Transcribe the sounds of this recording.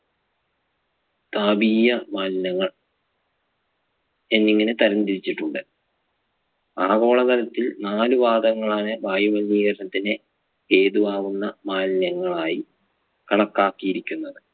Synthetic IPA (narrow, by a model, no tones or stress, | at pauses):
t̪aːbiːjɐmaːnnɐŋːɐɭ | e̞nːiŋːɐnet̪ɐɾɐnd̪iɾit͡ɕːiʈːuɳɖɨ | aːɣo̞ːɭɐt̪ɐlɐt̪ːilnaːluʋaːd̪ɐŋːɐɭaːnɨbaːjumɐnːiːɣɐɾɐnɐt̪ːine | e̞ːðuʋaːʋunːɐmaːnnɐŋːɐɭaːji | kɐɳɐkːaːkːijiɾikʲːunːɐðɨ